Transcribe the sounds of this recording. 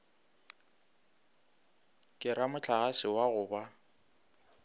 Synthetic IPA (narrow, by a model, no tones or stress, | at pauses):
kʼɪɾamʊt͡ɬʰaɣasɪwaɣʊːba